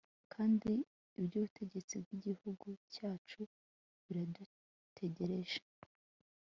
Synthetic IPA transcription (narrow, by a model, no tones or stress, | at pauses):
kʰaːndi | ubɟuβutʰe̞ɟe̞t͡sibɡiɟihuɡucaːt͡ʃu | βiɾadu | tʰe̞ɟe̞ɾe̞ʒḁ